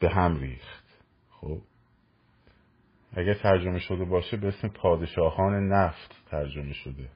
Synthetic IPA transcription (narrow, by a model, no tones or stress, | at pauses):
b̥e̞ɦæmɾḭːxt̪ | xoːb̥ | ʔæɟæɾt̪ʰæɾd͡ʒo̞me̞ʃo̞d̪e̞bɒːʃebeesmepʰɒːd̪e̞ʃɒːhɒːne̞næft̪ʰːæɾd͡ʒo̞me̞ʃo̞d̪e̞